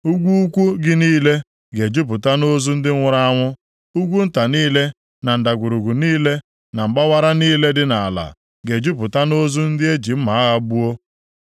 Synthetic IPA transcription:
u˦ɡʷu˦u˦kʷu˦ɡɪ˦niː˦le˦ | ɡe˨d͡ʒu˦p̬ʊ˨ta˦no˦zu˦n̩˦dɪ˦ʊ˦ɾa˦a˦ŋʷʊ˦ | u˦ɡʷu˦n̩˦ta˨niː˦le˦ | na˨n̩˨da˨ɡʷu˨ɾu˨ɡu˨niː˦le˦ | na˨m̩˨ɡ͡ba˦wa˦ɾa˦niː˦le˦dɪ˦na˨a˨la̰˨ | ɡe˨d͡ʒu˦p̬ʊ˨ta˦no˦zu˦n̩˦dɪ˦e˦d͡ʒi˨m̩˦ma˨˦a˦ɣa˦bu˦o˦

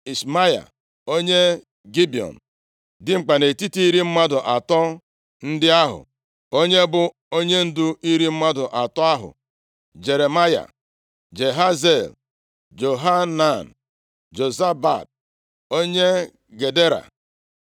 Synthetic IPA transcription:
i˨sma˦ja̰˨ | o˦ɲe˦ | ɡi˦bi˨ɔ̰˨n̩˨ | dɪ˦ŋ͡m̩˨k͡pa˨ne˨ti˦ti˦i˦ɾi˦m̩˦ma˦dʊ˨ʔa˨tɔ˦ | n̩˦dɪ˦a˦ɦʊ̰˨ | o˦ɲe˦bʊ˨ | o˦ɲe˦n̩˦dʊ˦i˦ɾi˦m̩˦ma˦dʊ˨ʔa˨tɔ˦a˦ɦʊ̰˨ | d͡ʒe˨ɾe˨ma˦ja̰˨ | d͡ʒe˨ɦa˦ze˦˨l | d͡ʒo˨ɦa˦na˦˨n̩˨ | d͡ʒo˨za˦ba̰˨d̚ | o˦ɲe˦ | ɡe˨de˦ɾa̰˨

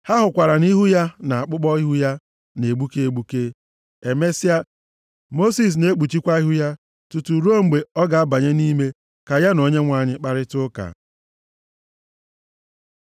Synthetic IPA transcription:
ha˦ɦʊ˨kʷa˨ɾa˨ni˦ɦu˦ja˦na˨a˨k͡pʊ˦k͡pɔ˦i˦ɦu˦ja˦ | ne˨ɡ͡bu˦ke˦e˦ɡ͡bu˦ke˦ | e˨me˦sa˦ | mo˦si˨s̬ne˦k͡pu˨t͡ʃi˦kʷa˦i˦ɦu˦ja˦ | tu˨tu˨ɾo˦˨m̩˨ɡ͡be˨ɔ˦ɡa˨a˦ba˨ɲe˦ni˦me˦ | ka˨ja˦no˨ɲe˦ŋʷa˨ɲɪ˦k͡pa˨ɾɪ˦tʊ˦ka̰˨

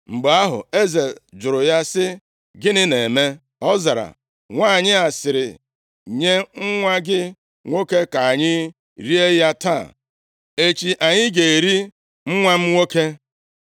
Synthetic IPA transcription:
ŋ͡m̩˨ɡ͡be˨a˦ɦʊ̰˨e˦ze˨ld͡ʒʊ˨ɾʊ˨ja˦sɪ˦ | ɡɪ˦nɪ˦ne˨me˦ | ɔ˦za˨ɾa̰˨ | ŋʷa˦˨ɲɪ˦a˨sɪ˨ɾɪ˨ | ɲe˦ŋ̩˦ŋʷa˦ɡɪ˦ | ŋʷo˦ke˦ka˨a˨ɲɪ˦ | ɾi˦e˦ja˦ta̰˦˨ | e˦t͡ʃi˨ʔa˨ɲɪ˦ɡe˨ɾi˦ | ŋ͡m̩˦ŋʷa˦m̩˦ŋʷo˦ke˦

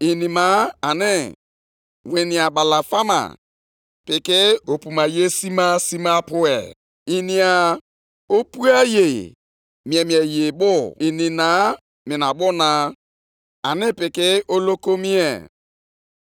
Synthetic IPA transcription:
i˨nĩ˨ma˨˦a˨nɪ˦ | we˨nĩ˨a˨ba˨la˨fa˦ma̰˨ | pɪ˨kɪ˦o˨pu˨ma˨je˦si˦ma˦si˦ma˦pʊ˦ɛ̰˨ | i˨ni˨a˨ | o˦pu˦a˦je˨ | mi˨e˨mĩ˨e˨je˨bʊ˦i˨nĩ˨na˨˦ | mɪ˨na˨bʊ˦na˨ | a˨nɪ˦pɪ˨kɪ˦o˦lo˦ko˦mi˦ḛ˨

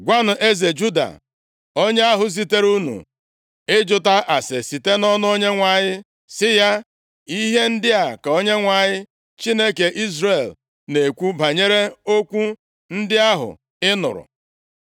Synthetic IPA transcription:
ɡʷa˦nʊ˨ʔe˦ze˨d͡ʒu˦da̰˨ | o˦ɲe˦a˦ɦʊ˨s̬i˨te˦ɾu˦nṵ˨ | ɪ˦d͡ʒʊ˨ta˦ʔa˨se˨si˨te˦nɔ˦nʊ˦o˦ɲe˦ŋʷa˨ɲɪ˦ | sɪ˦ja˦ | i˦ɦe˦n̩˦dɪ˦a˨ka˨o˦ɲe˦ŋʷa˨ɲɪ˦ | t͡ʃi˦ne˦ke˨ʔi˦zre˨l | ne˨kʷu˦ba˨ɲe˦ɾe˦o˦kʷu˦ | n̩˦dɪ˦a˦ɦʊ̰˨ | ɪ˦nʊ̰˨ɾʊ̰˨

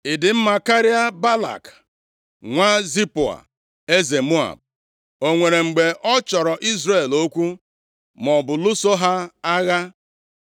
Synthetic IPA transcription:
ɪ˨dɪ˨m̩˦ma˨ka˦ɾi˦a˦ba˦la̰˨k | ŋʷa˦zi˦pʊ˨a̰˨ | e˦ze˨mu˦a̰˨b̚ | o˦ŋʷe˨ɾe˨ŋ͡m̩˨ɡ͡be˨ʔɔ˦t͡ʃɔ˨ɾɔ˨ʔi˦zɾe˦˨lo˦kʷu˦ | mɔ˨bʊ˨lʊ˦so˦ɦa˦a˦ɣa˦

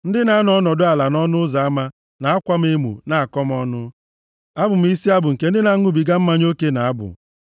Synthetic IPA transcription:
n̩˦dɪ˦na˨˦nɔ˦nɔ˨dʊ˦a˨la˨nɔ˦nʊ˦za˨a˦ma˦ | na˨a˦kʷa˦m̩˦e˦mṵ˨na˨a˨kɔ˦m˦ɔ˦nʊ˦ | a˦bʊ˨m̩˨˦i˦si˦a˦bʊ˨ŋ̩˨ke˦n̩˦dɪ˦na˨˦ŋʊ˦bi˨ɡa˦m̩˦ma˦ɲ˦o˦ke˦na˨a˦bʊ̰˨

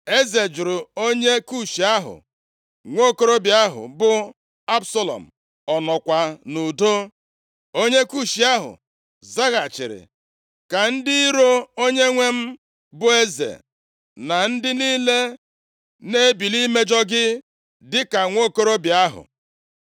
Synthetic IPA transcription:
e˦ze˨d͡ʒʊ˨ɾʊ˨o˦ɲe˦ku˦ʃi˨a˦ɦʊ̰˨ | ŋʷo˦˨ko˦ɾo˦bja˦ɦʊ̰˨bʊ˦ | a˦bsɔ˦lɔ̰˨m̩˨ | ɔ˨nɔ˨kʷa˨nu˨do˦ | o˦ɲe˦ku˦ʃi˨a˦ɦʊ̰˨ | za˦ɣa˨t͡ʃɪ̰˨ɾɪ̰˨ | ka˨n̩˦dɪ˦i˦ɾo˦o˦ɲe˦ŋʷe˦m̩˦ | bʊ˦e˦zḛ˨ | na˨n̩˦dɪ˦niː˦le˦ | ne˦bi˨li˦me˦d͡ʒɔ˦ɡɪ˦ | dɪ˦ka˨ŋʷo˦ko˦ɾo˦bja˦ɦʊ̰˨

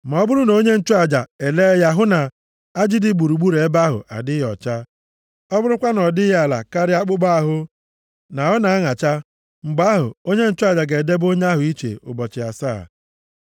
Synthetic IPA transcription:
ma˨ɔ˦bʊ˦ɾʊ˦no˦ɲe˦n̩˦t͡ʃu˦a˨d͡ʒa˨e˨le˦ja˦ɦʊ˦na˨ | a˦d͡ʒɪ˦dɪ˦ɡ͡bu˨ɾu˨ɡ͡bu˦ɾe˨e˦ba˦ɦʊ̰˨ʔa̰˨dɪ˦jɔ˨t͡ʃa˦ | ɔ˦bʊ˦ɾʊ˦kʷa˦nɔ˨dɪ˦ja˨la̰˨ka˦ɾɪ˦a˦k͡pʊ˦ɡ͡ba˦a˦ɦʊ˦ | na˨ɦʊ˦na˨a˦ŋa˨t͡ʃa˦ | ŋ͡m̩˨ɡ͡ba˦ɦʊ̰˨o˦ɲe˦n̩˦t͡ʃʊ˦a˨d͡ʒa˨ɡe˨de˦bo˦ɲ˦a˦ɦʊ˨i˦t͡ʃḛ˨ʊ̰˨bɔ˨t͡ʃɪ˨a̰˨sa̰ː˦˨

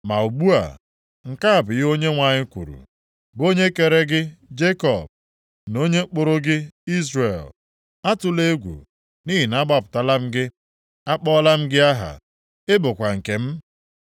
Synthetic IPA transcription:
ma˨u˨bu˦a̰˨ | ŋ̩˨ka˦a˨bʊ˨jo˦ɲe˦ŋʷa˨ɲɪ˦kʷṵ˨ɾṵ˨ | bo˦ɲe˦ke˨ɾe˦ɡɪ˦d͡ʒe˦kɔ̰˨b̚ | no˦ɲe˦k͡pʊ˨ɾʊ˦ɡɪ˦i˦zre˨l | a˦tʊ˨le˦ɡʷṵ˨ | niː˦ɦi˨na˦ɡ͡ba˦˨pʊ̥˨ta˦la˦m̩˦ɡɪ˦ | a˦k͡pɔ˦la˦m̩˦ɡɪ˦a˦ɦa̰˨ | ɪ˦bʊ˨kʷa˨ŋ̩˨ke˨m̩˦

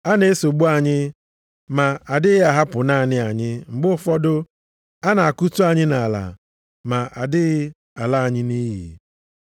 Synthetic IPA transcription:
a˦ne˦so˨ɡ͡bu˦a˨ɲɪ˦ | ma˨a˨dɪ˦ɪ˦a˨ɦa˦pʊ˨na˦a˨nɪ˦a˨ɲɪ˦ŋ͡m̩˨ɡ͡bʊ˦fɔ˦dʊ˦ | a˦na˨a˨ku˦tu˦a˨ɲɪ˦na˨la̰˨ | ma˨ʔa˨dɪ˦ɣɪ˦ | a˨la˦a˨ɲɪ˦ni˦ɦḭ˨

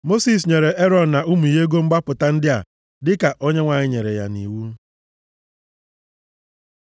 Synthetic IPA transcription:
mo˦si˨s̬ɲe˨ɾe˨ʔe˦ɾɔ˨n̩˨na˨u˦mu˨je˦ɡo˦ŋ͡m̩˦ɡ͡ba˦pʊ˨ta˦n̩˦dɪ˦a̰˨ | dɪ˦ka˨ʔo˦ɲe˦ŋʷa˨ɲɪ˦ɲe˨ɾe˨ja̰˨nḭ˨wu˦

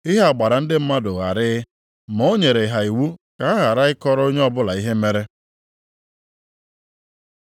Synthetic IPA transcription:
ɪ˦ɦe˦a˨ɡ͡ba˨ɾa˨n̩˦dɪ˦m̩˦ma˦dʊ˨ɣa̰˨ɾɪː˦ | ma˨o˦ɲe˨ɾe˨ɦa˨i˨wu˦ka˨a˦ɣa˨ɾa˦ɪ˦kɔ˦ɾo˦ɲe˦ɔ˦bʊ˦la˨i˦ɦe˦me˦ɾe˦

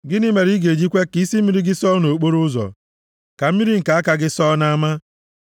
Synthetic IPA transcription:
ɡɪ˦nɪ˦me˨ɾi˦ɡe˨d͡ʒi˦kʷe˦ki˦si˦m̩˦mi˦ɾi˦ɡɪ˦sɔ˦no˨k͡po˦ɾʊ˦zɔ̰˨ | ka˨m̩˦mi˦ɾi˦ŋ̩˨ka˨a˦ka˦ɡɪ˦sɔ˦na˦ma˦

